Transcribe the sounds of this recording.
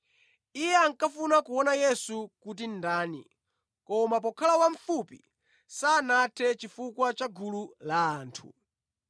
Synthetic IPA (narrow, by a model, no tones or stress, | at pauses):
ijɛaŋkafunakuwɔnajɛsukutindaːnḭ | kɔmap̬ɔkʰalawaɱ̩fupi | saːnatʰɛt͡ʃifukwat͡ʃaɡululaːntʰu